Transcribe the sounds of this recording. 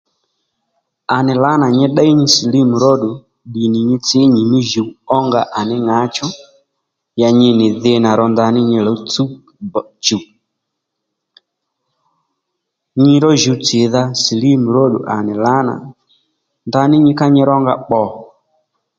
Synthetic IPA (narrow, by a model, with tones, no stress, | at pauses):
a˨nɪ˨la˦na˨ɲɛ˦ɗa˦i˦ɲi˦si˨li˦mu˨ɾɔ˦ɗu˨ | ɗi˨ni˨ɲi˦t͡si˦ɲi˨ni˦ʒu˨˦ɔ˦ŋɡa˨ʔa˨nɪ˦ŋa˨˦t͡ʃɔ˦ | ja˨ɲi˦nɪ˨ðɪ˧˦na˨ɾɔ˨nda˧ni˦ɲi˧lɔ˦t͡su˦˨ | t͡ʃu˨ | ɲi˦ɾɔ˦ʒu˨˦t͡sɪ˨ða˦si˨li˦mu˨ɾɔ˦ɗṵ˨ʔa̰˨nɪ˨la˦na̰˨ | nda˧˦ni˦ɲi˦ka˦ɲi˦ɾɔ˦ŋɡa̰˦ɓɔ˨